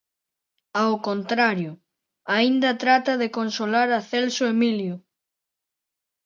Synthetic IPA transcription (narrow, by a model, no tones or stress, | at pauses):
awkont̪ɾaɾjʊ | aind̪ɐt̪ɾat̪ɐðekonsolaɾaθelsʊemiljʊ